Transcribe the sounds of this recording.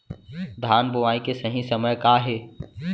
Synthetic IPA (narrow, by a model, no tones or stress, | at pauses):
d̪ʱaːnbʊʋaːikesəɦĩsɐməjkaːɦeː